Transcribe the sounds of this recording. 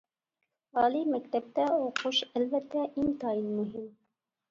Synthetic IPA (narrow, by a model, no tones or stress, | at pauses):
ɑlimæk̚t̪æp̚t̪æoquʃælvæt̪ʰːæʔimt̪ɑjinmuɦim